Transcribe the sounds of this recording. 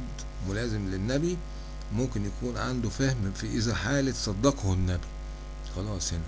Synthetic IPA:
d̪ | mʊlæːzemlenːæbi | momkɪnjækuːnʕa̰nd̪ufæhmfiʔɪzæħaːlet̪sˤɑd̪ːɑqhonːæbi | xɑlɑːsˤhenæ

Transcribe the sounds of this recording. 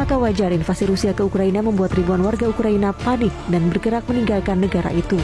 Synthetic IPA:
makawad͡ʒarinfasiɾusiakəukɾainaməmbuat̪ribuanwarɡaukɾainapanɪk̚danbərɡəɾak̚məniŋɡalkanːəɡaɾa̰ʔit̪u

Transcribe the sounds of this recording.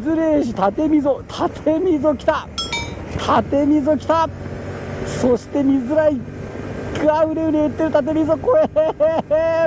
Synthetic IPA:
zɨɾe̞ːɕ̬it̪at̪e̞mʲizo̞t̪ʰat̪ʰe̞mʲizo̞kʲi̥t̪a | t̪ʰat̪e̞mʲizo̞kʲi̥t̪a | so̞ɕi̥t̪e̞mʲizɨɾai | kɯaɯ̟ɾeɯneɯt̪ːeɾɯ̟t̪at̪̬e̞mʲizokoe

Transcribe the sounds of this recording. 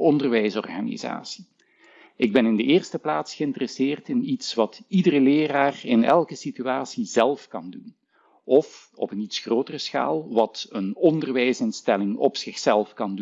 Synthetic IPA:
ɔndərʋɛjsɔ̰rɣaːnḭza̰ːsi̥ | ɪɡ̚bɛnɪndəʔɪːrstəplaːtsxəɪntərɛsɪːrtɪnitsʋɑtidərəlɪːraːrɪnɛ̰lˠkəsityaːsizɛlˠfkɑndun | ʔɔf | ɔ̰pənitsxroːtərəsxa̰ːlˠʋɑtənɔndərʋɛjsɪnstɛlɪŋɔ̰psɪxsɛlˠfkɑndu

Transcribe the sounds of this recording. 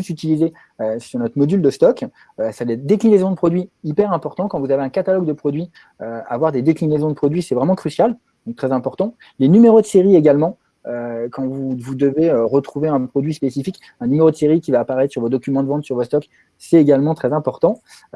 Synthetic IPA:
yt̪yt̪ilize | øsyʁnɔt̪χmɔd̪yld̪əst̪ɔk | øsɛlɛd̪eklinezɔ̃d̪əpχɔd̪ɥiipɛʁɛ̃pɔʁt̪ɑ̃kɑ̃vuzaveɛ̃kat̪alɔɡd̪əpχɔd̪ɥi | øa̰vwaʁd̪ed̪eklinezɔ̃d̪əpχɔd̪ɥisɛvʁɛmɑ̃kχysjal | d̪̥ɔ̃kt̪χɛzɛ̃pɔʁt̪ɑ̃ | lenymeʁod̪əseʁieɡalmɑ̃ | økɑ̃vuvud̪əveøʁət̪χuveɛ̃pχɔd̪ɥispesifik | ɛ̃nymeʁod̪əseʁikʲivaːpaʁɛt̪χsyʁvod̪ɔkʲymɑ̃d̪əvɑ̃t̪syʁvost̪ɔk | sɛt̪eɡalmɑ̃t̪χɛzɛ̃pɔʁt̪ɑ̃

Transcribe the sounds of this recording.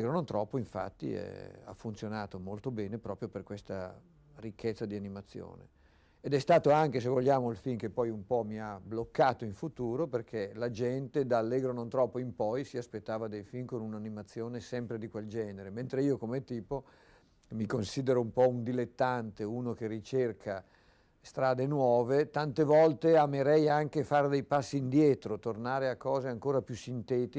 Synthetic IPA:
ɡɾonõnt̪ɾɔpːoiɱfa̰t̪ːḭɛ̰a̰fːunsjonaːt̪omolt̪obɛːnepɾɔːpɾjoperkwest̪a | rikːet̪sːad̪ianimat̪sːjo̰ːnḛː | d̪ɛst̪aːt̪oaŋkes̬evoʎːaːmoilfink̟epːɔjumpɔmiablokːaːt̪oiɱfut̪uːɾoperkʰelad͡ʒɛnt̪ed̪aːlːeɡɾonõnt̪ɾɔpːoimpɔjsiaspet̪ːaːvad̪ejfinkonunanimat̪sːjoːnesɛmpɾed̪ikweld͡ʒɛːneɾement̪ɾeiːokomet̪iːpo | mikonsiːd̪eɾoumpɔund̪ilet̪ːant̪eunok̟erːit͡ʃerkʰa | st̪ɾaːd̪enwɔːvet̪ant̪evɔlt̪eameɾɛjaŋkefard̪ejpasːiːnd̪jɛːt̪ɾot̪ornaːɾeakːɔːzeaŋkoːɾapjusint̪ɛːt̪i

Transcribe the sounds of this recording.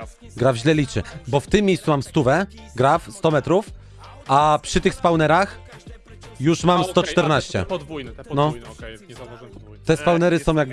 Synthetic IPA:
ɡɾavʑlɛlʲit͡ʂɘ̰bɔft̪ɘmʲːjejsumamst̪uvɛ | ɡɾafst̪ɔmɛt̪ɾuf | apʂɘt̪ɘxspawnɛɾax | juʂmamst̪ɔt͡ʂt̪ɛɾnaɕt͡ɕɛ̰nɔ | t̪ɛspawnɛɾɘsɔ̃w̃jaɡ̚b

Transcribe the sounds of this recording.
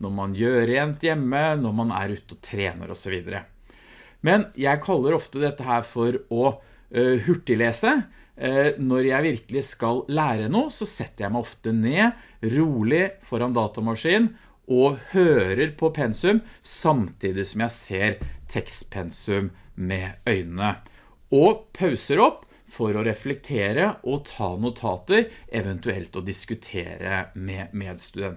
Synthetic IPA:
nɔɾmɑnjøːɾeːnt̪jɛmːənɔɾmɑnæ̰ɾʉːt̪əɔt̪ʰɾeːnə̰ɾɔ̰sɔʋiːd̪əɾə̰ | mɛnjæɪkʰɑlːəɾɔft̪əd̪ɛt̪ːəɦæːɾfɔɾɔ | hʉʈːɪleːsə | nɔɾjæɪʋɪɾkəlɪskɑlːæːɾənuːəsɔsɛt̪ːəɾjæɪmæɪɔft̪əneː | ɾuːlɪfɔɾɑnd̪ɑːt̪ɑmɑʂiːn | ʔɔhøːɾəɾpʰɔpʰɛnsʉmsɑmt̪ʰiːd̪ɪsɔmjæɪseːɾt̪ʰɛkst̪pʰɛnsʉmmɛœʏnənə | ɔpʰɑʉsəɾɔpː | fɔɾɔɾɛflɛk̚t̪ʰeːɾəʔɔt̪ʰɑ̰ːnʊt̪ʰɑːt̪əɾʔɛʋɛnt̪ʉɛ̰lt̪ɔd̪ɪskʉt̪ʰḛːɾə̰mɛmeːd̪st̪ʉd̪ɛn

